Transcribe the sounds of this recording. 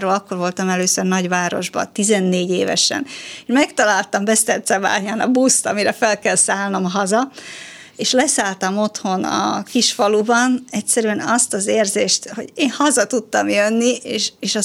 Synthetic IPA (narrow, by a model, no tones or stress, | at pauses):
roːlɒkːo̞rvo̞lt̪ɒmɛløːsørnɒɟʋaːɾo̞̰ʒbɒ̰t̪izɛnːeːɟeːvɛ̰ʃɛ̰neʃmɛkt̪ɒlaːlt̪ɒmbɛst̪ɛrt̪sɛba̰ːɲaːnɒ̰bust̪ɒmiɾɛfɛlkɛlsaːlno̞mɦɒzɒ | eːʃlɛsaːlt̪ɒmo̞t̪ho̞nɒ̰kiʃfɒlubɒnɛcsɛɾyɛnɒst̪ɒzeːrzeːʃt̪ho̞̰ɟeːnhɒzɒt̪ut̪ːɒmjønːieːʃeːʃɒ